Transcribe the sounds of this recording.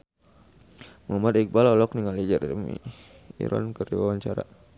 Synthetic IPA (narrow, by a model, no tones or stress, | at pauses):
mamadik̚balɔlɔkniŋalid͡ʒaɾmḭ | ḭɾʔɔ̰nkərḭwawaɲt͡ʃaɾa̰